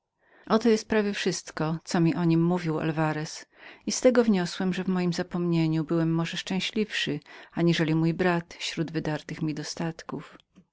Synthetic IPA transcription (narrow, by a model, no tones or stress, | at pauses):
ʔɔt̪ɔjɛst̪̚pɾavʲjɛfʂɘst̪kɔt̪sɔmʲiʔɔɲimːuvʲiwa̰lvaɾɛsist̪ɛɡɔvɲɔswɛmʐɛvmɔjimzapɔmɲeɲubɘwɛmːɔʐɛʂt͡ʂɛ̃w̃ɕlʲifʂɘaɲiʐɛlʲimujbɾat̪ɕɾud̪vɘd̪aɾt̪ɘxmʲid̪ɔst̪at̪kuf